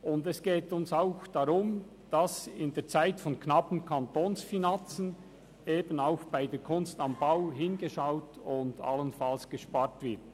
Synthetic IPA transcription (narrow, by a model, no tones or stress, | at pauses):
ʊndɛsɡ̥eːtʊnsaʊxd̥aʁʊm | d̥asɪndeːt͡saɪtfɔnknɑpn̩kʰantoːnsfinant͡sən | eːbənaʊxb̥aɪdeːkʰʊnstɑmbaʊɦɪnɡəʃaʊtʊnda̰lənfalsɡ̥əʃpaːtv̥ɪt